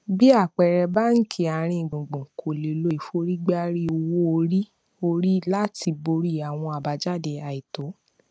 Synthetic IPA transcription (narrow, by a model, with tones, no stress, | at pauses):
bi˦a˦˨k͡pɛ˨ɾɛ˧ba˦ŋ̩˦kʰi˧˦a˨ɾ̃ĩ˧˨ɡ͡bõ˨ɡ͡bõ˨ŋ̩˨kʰo˨le˨˧lo˦˨fo˧˦ɾi˦ɡ͡ba˦ɾi˦o˧wo˦o˧ɾi˦ | o˧ɾi˦la˦ti˧bo˧ɾi˦˨a˨w̃ɔ̃˧a˨ba˨˧d͡ʒa˦˨de˧˨a˨i˨to˨˦